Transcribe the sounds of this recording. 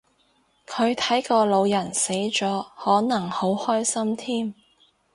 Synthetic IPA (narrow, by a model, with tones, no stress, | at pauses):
kʰɵ˨˧ɥt̪ʰɐ˨˥jkɔː˧lo˨˧wjɐ˨˩nse˨˥jt͡sɔː˨˥hɔː˨˥nɐ˨˩ŋho˨˥whɔː˥jsɐ˥mt̪ʰiː˥m